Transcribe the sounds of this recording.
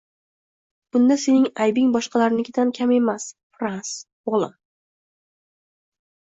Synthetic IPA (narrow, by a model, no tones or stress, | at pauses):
b̥ʊnd̪ase̞nɪŋajbɪŋbɒʃqʰɑlaɾɪnɪkʲʰɪd̪ankʲʰame̞masfɾans | olˠa